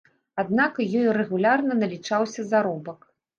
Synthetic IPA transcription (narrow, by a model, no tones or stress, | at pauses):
ad̪nakjɔjɾɛɣulʲarnɐnɐlʲit͡ʂawsʲɐzaɾɔbɐk